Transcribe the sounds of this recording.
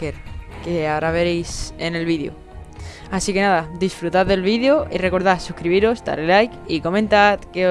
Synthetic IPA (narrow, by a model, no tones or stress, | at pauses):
eɾkeaoɾaβ̞e̞ɾejse̞nelβiðjo̰ | asike̞naðad̪isfɾut̪aððe̞lβiðjo̞ire̞ko̞ɾðasukɾiβ̞iɾo̞st̪a̰ɾelajkiko̞mẽnt̪at̪ke